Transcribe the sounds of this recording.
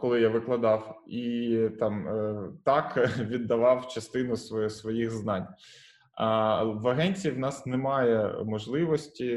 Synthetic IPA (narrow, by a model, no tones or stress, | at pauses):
kɔlˠɪjaʋɪklˠɐd̪ɑwit̪ɑmt̪ɑkʋʲid̪ːɐʋɑwt͡ʃɐst̪ɪnʊssʋɔjixznɑnʲ | ʋɐɦɛnʲt͡sʲijiwnɑsnɛmɑjɛmɔʒlˠɪʋɔsʲtʲi